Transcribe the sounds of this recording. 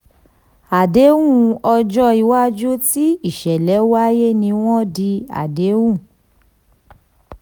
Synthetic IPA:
a˨de˨˦wũ˦˨ɔ˧d͡ʒɔ˦i˧wa˦d͡ʒo˦ti˦i˦˨ʃɛ˨lɛ˨˦wa˦je˦nĩ˧w̃ɔ̃˦di˧a̰˨de˨˦wũ˦˨

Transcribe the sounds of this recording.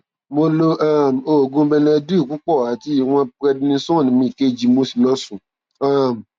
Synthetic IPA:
mo˧lo˦ʔa˦˨m̩˨o˨ɡũ˧˦bɛ˧nɛ̃˧˦du˦i˦˨ku˦k͡pɔ˦˨a˨ti˦˨w̃ɔ̃˧pɾɛ˧dĩ˧nĩ˧sɔ̃˦˨nĩ˨mĩ˧˨ke˦˨d͡ʒi˨˧mo˧si˨lɔ˦sũ˨ | a˦˨m̩˨

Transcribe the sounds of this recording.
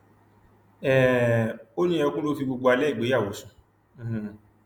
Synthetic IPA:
ɛ˦˨ | o˦nĩ˦ɔ̃˧kũ˦lo˦fi˧ɡ͡bo˧ɡ͡bo˧a˧lɛ˦i˦˨ɡ͡be˨˦ja˦˨wo˨˦sũ˧˦˨

